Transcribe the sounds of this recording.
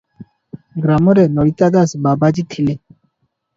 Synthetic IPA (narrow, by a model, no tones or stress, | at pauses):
ɡɾamɔɾɛnɔɾit̪ad̪asbabad͡ʒit̪ʰilɛ